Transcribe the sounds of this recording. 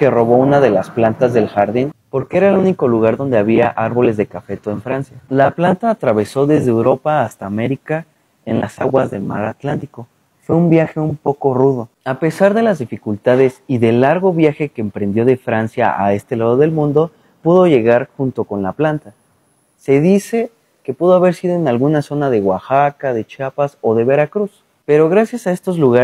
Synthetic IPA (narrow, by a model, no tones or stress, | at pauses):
kero̞βo̞unaðe̞lasplant̪azðe̞lxaɾðinpo̞ɾkeeɾaeluniko̞luɣaɾðo̞nd̪e̞aβiaʔaɾβo̞le̞zðe̞kafe̞t̪oeɱfɾansjalaplant̪aːt̪ɾaβ̞e̞so̞ðe̞zðeewɾo̞paːst̪aːme̞ɾika | enlʔasaɣwazðe̞lma̰ɾat̪lant̪iko̞ | fwe̞umbjaxe̞umpo̞ko̞ruð̞o̞ | ape̞saɾðe̞lazðifikult̪að̞e̞siðe̞lːaɾɣo̞βjaxe̞keːmpɾe̞nd̪jo̞ðe̞fɾansja̰ʔa̰e̞st̪e̞laðo̞ðe̞lmũnd̪o̞ | puðo̞ʝe̞ɣaɾxunt̪o̞ko̞nlaplant̪a | se̞ðise̞ | ke̞puðo̞aβe̞ɾsið̞o̞enalɣunaso̞nað̞e̞ɣwaxakaðe̞t͡ʃapaso̞ðe̞βe̞ɾakɾus | pe̞ɾo̞ɣɾasjasae̞st̪o̞zluɣa